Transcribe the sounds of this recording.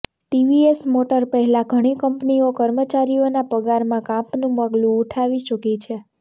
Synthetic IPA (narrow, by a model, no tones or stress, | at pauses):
ʈiʋiesmoʈəɾpəɦɛlãɡʱəɽ̃ikəmpniokəɾmət͡ʃaɾionapəɡaɾmãkãpnũmaɡlũːʈʰaʋit͡ʃəkit͡ʃʰe